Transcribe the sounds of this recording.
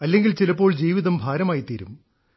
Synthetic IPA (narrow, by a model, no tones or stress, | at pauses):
ɐlːe̞ŋɡilt͡ɕilɐpːo̞ːɭd͡ʑiːʋiðɐmbʱaːɾɐmaːjit̪iːɾum